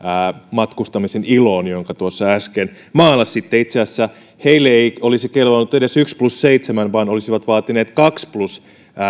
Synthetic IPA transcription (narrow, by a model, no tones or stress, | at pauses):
mɑt̪kust̪ɑmiseniloːnjoŋkɑt̪uosːɑæsken | mɑːlːɑssit̪ːeit̪seɑsːæ | heilːeeiolisikelʋonːut̪edesyksplusseit̪semænʋɑːnolisiʋɑt̪ʋɑːt̪ineːt̪kɑksplus